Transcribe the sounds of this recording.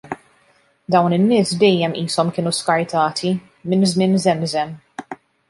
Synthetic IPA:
d̪ɐwnɪnːɪːsd̪ɛjːɛmʔiːsɔmkɪːnuskɐɾt̪ɐːt̪ʰi | mɪnzmɪnzɛmzɛm

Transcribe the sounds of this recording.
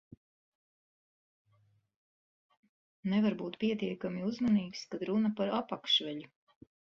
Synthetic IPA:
nɛvaɾbuːt̪pʲiɛt̪iɛkamiuzmaniːkskad̪ɾunɐpaɾapakʃvɛʎu

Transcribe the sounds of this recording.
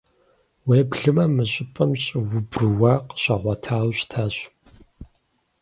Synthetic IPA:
weːbɮɨmɐmɨɕʼɪpʼɐmɕʼɪwʊbrɨwaːqɕɐʁʷɐtʰaːwɕtʰaːɕ

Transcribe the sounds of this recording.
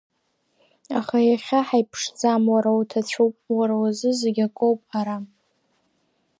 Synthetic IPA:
aχajaχʲaħajpʰʂd͡zamwaɾawtʰat͡ɕʷʰowpʼwaɾawazɨzeɡʲakʼowpʼaɾa

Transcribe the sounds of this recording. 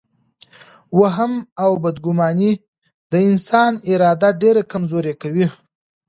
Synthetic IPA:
waɦamawbad̪ɡʊmɑni | d̪əɪnsɑnɪɾɑd̪aɖeɾakamzoɾekawi

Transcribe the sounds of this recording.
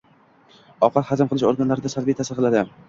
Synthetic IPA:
ɒqʰɑt̪had͡ʒɪmqɨlˠɪʃoɾɡanlaɾɪd̪asalbijt̪ʰasɪqʰɨlˠad̪ɪ

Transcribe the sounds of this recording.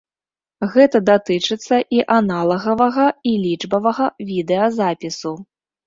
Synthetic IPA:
ɣɛt̪ɐd̪at̪ɨt͡ʂɨt̪sːɐʔiʔanalˠɐɣɐvɐɣɐilʲiʐbɐvɐɣɐvʲid̪ɛɐzapʲisu

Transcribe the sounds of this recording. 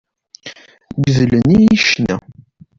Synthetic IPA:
ɡðlənijiʃnæ̰

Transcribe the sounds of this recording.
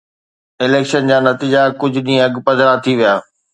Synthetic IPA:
ɪleːkʃənd͡ʑaːnɐt̪iːd͡ʑakʊd͡ʑʱʊɗĩːɐɡpɐzɾat̪ʰiʋijaː

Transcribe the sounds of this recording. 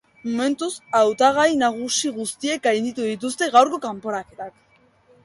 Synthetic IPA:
mome̞nt̪usawt̪aɣ̞ajnaɣ̞usiɣust̪ie̞k̚ɡajnd̪it̪uðit̪ust̪e̞ɣawɾko̞kampo̞ɾake̞t̪ak

